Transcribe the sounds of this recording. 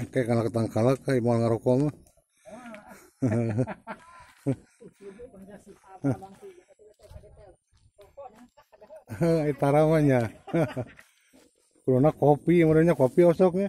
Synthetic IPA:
kajakalakət̪aŋkalakaimalŋaɾɔkɔma | it̪aɾamaɲa | kunonakopimadoɲakopiɔsɔk̚ɲa

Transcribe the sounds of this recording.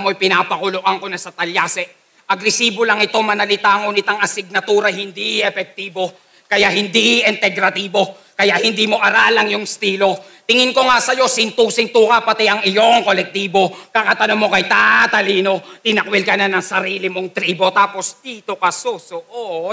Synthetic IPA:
mojpɪnapɐkʊloʔɐŋko̞nɐsɐt̪ɐljaːsɛ | ʔɐɡɾɛsiːbo̞lɐŋɪt̪o̞mɐnɐlɪt̪aŋonɪt̪aŋɐsɪɡ̚nɐt̪uːɾɐhɪnd̪iʔɛfɛk̚t̪iːbo̞ | kɐjaʔhɪnd̪iʔɪnt̪ɛɡɾɐt̪iːbo̞ | kɐjaʔhɪnd̪iːmo̞ʔɐɾalɐŋjʊŋst̪iːlo̞t̪ɪŋɪnko̞ŋasɐjo̞sɪnt̪uːsɪnt̪ukɐpɐt̪ɛʔɐŋɪjo̞ŋko̞lɛk̚t̪iːbo̞kakɐt̪ɐnomːo̞kɐjt̪aːt̪ɐliːno̞t̪ɪnɐkwɛlkɐnanɐŋsɐɾiːlɪmoŋt̪ɾiːbo̞t̪aːpo̞sd̪̥iːt̪o̞kɐsosoʔo

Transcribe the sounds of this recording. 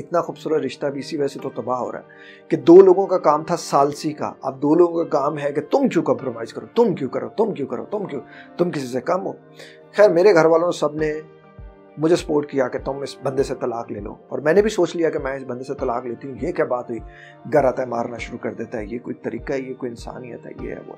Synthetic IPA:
ɪt̪naxuːbsuːɾət̪ɾɪʃt̪abʱiɪsiʋɛːset̪ot̪ɐbaːɦo̰ːɾa̰ɦɛ | ked̪oːloːɡõkakaːmt̪ʰasaːlsika̰a̰ːp̚d̪oːloːɡõkakaːmɦɛket̪ʊmkjũːkɐ̃ːmpɾomaːɪzkɐɾoːt̪ʊmkjũːkɐɾo̰ːt̪ʊmkjũːkɐɾo̰ːt̪ʊmkjũːt̪ʊmkɪs̬isekɐmɦoː | xɛːɾmeːɾeɡʱɐɾʋaːlõsɐbne | mʊd͡ʒʱesɐ̥poːɾʈkijaket̪ʊmɪsbɐ̃nd̪eset̪ɐlaːkleːlo̰ːɔ̰ːɾmɛ̃ːnebʱisoːt͡ʃlijakemɛ̃ːɪsbɐ̃nd̪eset̪ɐlaːkleːt̪iɦũjekjaːbaːt̪ɦoi | ɡɐɾaːt̪aɦɛma̰ːɾnaʃʊɾukɐɾd̪eːt̪aɦɛ̰jekoːit̪ɐɾḭːkaɦɛjekoːiɪnsa̰ːnijə̰t̪ɦɛ̰jḛɦɛ̰o̰ː

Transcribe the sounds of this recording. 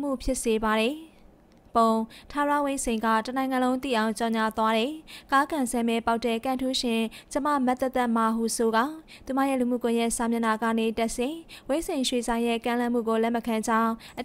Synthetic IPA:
mṵpʰjɪʔsebaɾɛ | põtʰaɹa̰wẽsẽɪ̃ŋɡa̰tənãɪ̃ŋãlõʊ̃nt̪ḭʔãʊ̃ɲt͡ɕɔɲat̪waɾɛkakãsɛmɛpaʊtːɛkãntʰuʃɪ̃t͡ɕəma̰mt̪ɛt̪ɛmaɦusoɡa̰t̪umä̰jɛ̰lum̥ṵkʊ̃jɛʔsamjɪ̃naɡä̰netɛʔsɪ̃wesẽɪ̃ʃwezãjɛ̰kãlãm̥ṵɡolɛməkʰãd͡ʑãʊ̃ʔə

